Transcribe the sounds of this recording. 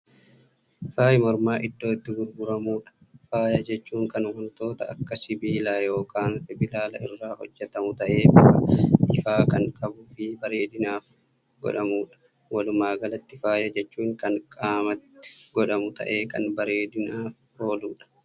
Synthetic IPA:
faːjmɔɾmaːʔɪd̪ːo̞ːɪt̪ːɪɡʊɾɡʊɾɐmuːᶑɐ̥faːjɐd͡ʒɛt͡ʃːuːŋkɐnɡʊnt̪o̞ːt̪ɐɐ̰kːɐsɪbiːlaːjo̞ːkaːnfɪbɪlaːlɐ̰ʔɪrːaːhɔ̰d͡ʒːɛt̪ɐmʊt̪ɐʔe̞ː | ʔɪfaːkɐŋkʼɐbʊfɪbɐɾeːd̪ɪnaːf | ɡ̥ɔ̰ᶑɐmuːᶑɐ̥ | wɐlʊmaːɡɐlɐt̪ːɪfaːjɐd͡ʒɛt͡ʃːuːŋkɐŋkʼaːmɐt̪ːɪ̥ɡɔᶑɐmʊt̪ɐ̰ʔe̞ːkɐnbɐɾeːd̪ɪnaːf | ho̞ːluːᶑɐ̥

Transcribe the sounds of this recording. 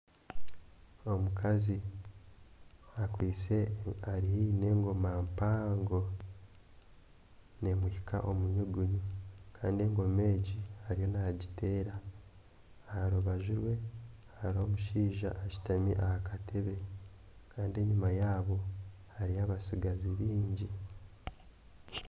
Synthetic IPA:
o̞mukʰazi | akwiːt͡se̞aɾihine̞ːŋɡo̞maːmpaːŋɡo̞ | ne̞mwuhikʰa̰ʔo̞muɲuɡuɲukʰa̰ːndie̞ːŋɡo̞me̞ːɟihaɾijo̞naɟitʰe̞ːɾa | aɾoβaʒuɾwe̞ | aɾo̞ːmuʃiːʒa̰ʔːci̥tamḭʔahakatʰe̞βe̞ | kʰaːndie̞ɲumajaːβo̞ | haɾiaβasiɡaziβiːɲɟi

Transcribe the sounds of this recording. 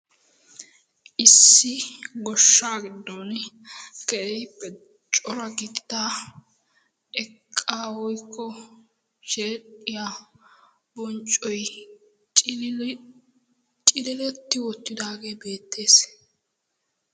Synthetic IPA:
ʔɪsːɪɡɔʃːaːɡɪd̪ːoːn | kɛʔɛjpːɛ | t͡ʃʼɔɾɐɡɪt̪d̪aː | ʔɛkʼːaːwɔjkʰːɔ | ʃeːᶑʼɪja | bɔnt͡ʃʼːɔjʼ | t͡ʃʼɪlɪlɛt̪ːɪwɔt̪ːɪd̪aːɡe̞ːbe̞ːt̪ːe̞ːs

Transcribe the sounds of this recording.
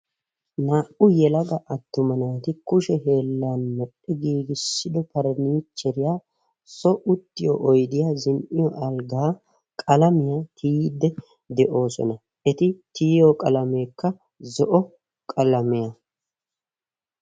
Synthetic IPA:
naːʔʊjɛlɐɡɐʔɐt̪ːʊmɐnaːt̪ɪkʊʃɛhe̞ːlːaːnmɔɗːɛɡiːɡɪsːɪd̪ɔpɐɾniːt͡ʃːɛɾɪjaː | sɔʔʊt̪ːɪjɔ̰ʔɔjd̪ɪjaːzɪnʔɪjɔʔɐlɡaː | kʼɐlɐmɪjat̪ʰiːd̪ːɛ | d̪ɛʔo̞ːsɔ̰nɐ | ɛt̪ɪt̪iːjokʼɐlɐme̞ːkːɐ | zɔʔɔ | kʼɐlɐmɪjɐ

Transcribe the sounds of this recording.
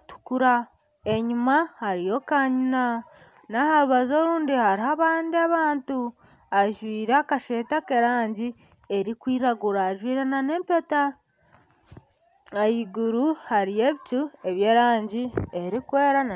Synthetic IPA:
tu̥kuɾa | e̞ɲumahaɾijo̞kaɲina | nahaɾuβazo̞ɾuːndihaɾihaβaːndiaβaːntu | aʒwiːɾakaʃeːtake̞ɾaːɲɟi | e̞ɾikwiːɾaɡuɾaːʒwiːɾanane̞ːmpe̞ta | ajiɡuɾuhaɾije̞βit͡ʃue̞βjeːɾaːɲɟie̞ɾikwe̞ːɾana

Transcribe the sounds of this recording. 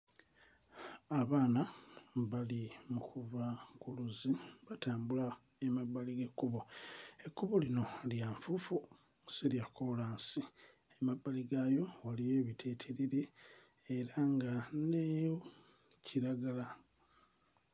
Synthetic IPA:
aβaːnaβalimukʰuvakuluziβataːmbula | emabːaliɡekːuβoe̞kːuβolino̞ljaɱfufu | siljakolaːnsi | emabːaliɡajo̞walije̞ːβitʰe̞ːtʰeɾiɾeː | ɾaŋɡane | cʰiɾaɡala

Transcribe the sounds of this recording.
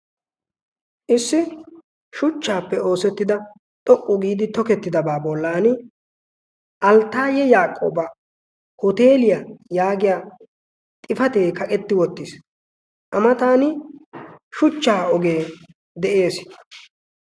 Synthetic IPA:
ʔɪsːɪ | ʃʊt͡ʃːaːpːɛo̞ːsɛt̪ːɪd̪ɐ | t̪ʼɔkʼːʊɡiːd̪ɪt̪ɔkɛt̪ːɪd̪ɐbaːbɔlːaːnɪ | ʔɐlt̪ːaːjɛjaːkʼːo̰ːba | hɔt̪e̞ːlɪjajaːɡɪjaː | t̪ʼɪfɐt̪e̞ːkɐkʼɛt̪ːɪwɔt̪ːɪs | ʔɐmɐt̪aːnɪ | ʃʊt͡ʃːaːɔɡeː | d̪ɛʔe̞ːs

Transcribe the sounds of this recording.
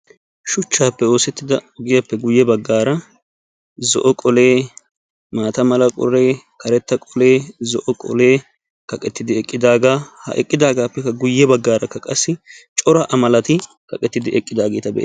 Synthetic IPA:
ʃʊt͡ʃːaːpːɛo̞ːsɛt̪ːɪd̪ɐɔɡɪjɐpːɛɡʊjːɛbɐɡːaːɾɐ | zɔ̰ʔɔkʼɔle̞ː | maːt̪ɐmɐlɐkʼɔ̰reː | kɐɾɛt̪ːɐkʼɔleːzɔʔɔkʼɔ̰le̞ː | kɐkʼɛt̪ːɪd̪ɪɛkʼːɪd̪aːɡaːhɐ̰ʔɛ̰kʼːɪd̪aːɡaːpːɛkːɐɡʊjːɛbɐɡːaːɾɐkːɐkʼɐsːɪt͡ʃʼɔɾɐʔɐmɐlɐt̪ɪ | kɐkʼɛt̪ːɪd̪ɪʔɛkʼːɪd̪aːɡe̞ːt̪ɐbɛ̰ʔḛː

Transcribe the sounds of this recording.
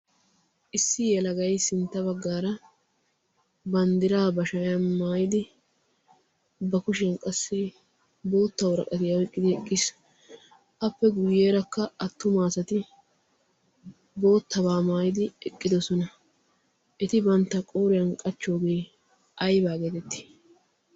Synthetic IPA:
ʔɪsːɪjɛlɐɡɐjsɪnt̪ːɐbɐɡːaːɾɐ | bɐnd̪ɪɾaːbɐʃɐjjɐnmaːjɪd̪ɪ | bɐkʊʃɐnkʼɐsːɪ | bo̞ːt̪ːɐwʊɾɐ̰kʼɐt̪ɪjɐwɛkʼːɪd̪ɪɛkʼːɪs | ʔɐpːɛɡʊjːeːɾɐkːɐɐt̪ːʊmaːsɐt̪ɪ | bo̞ːt̪ːɐbaːmaːjɪd̪ɪɛkʼːɪd̪ɔsɔnɐ | ʔɛt̪ɪbɐnt̪ːɐkʼoːɾɪjɐnkʼɐt͡ʃːo̞ːɡe̞ː | ʔɐjbaːɡeːt̪ɛt̪ːɪ̥

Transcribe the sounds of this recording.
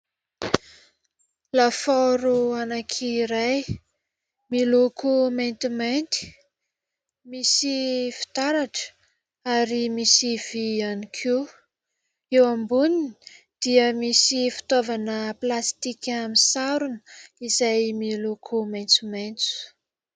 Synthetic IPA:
lafaɾuanakʰiɾaj | milukument̪iment̪i̥ | misifi̥t̪aɾaʈ͡ʂə̥ | aɾimisiv̥ianikʰu | ewambunini | d̪̥iəmisifi̥t̪ovanəplast̪ikʲamisaɾunizajmilukʰumajnt͡sument͡su̥

